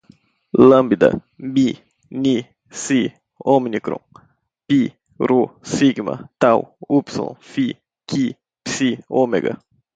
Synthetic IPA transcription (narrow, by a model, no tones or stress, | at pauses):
lambid̪ə̰ | bi | ni | si | ominikɾo̰ŋ | pi | ɾosiɡma̰t̪awupso̰nfi | ki | psiomḛɡa̰